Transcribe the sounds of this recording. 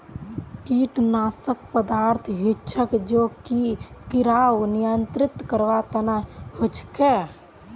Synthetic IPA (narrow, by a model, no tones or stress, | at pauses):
kiʈnaːsək̚pəd̪aɾt̪ʰɦitːt͡ʃʰəkd͡ʒokikiɾawnijənt̪ɾɪt̪kəɾʋat̪ənahot͡ʃʰke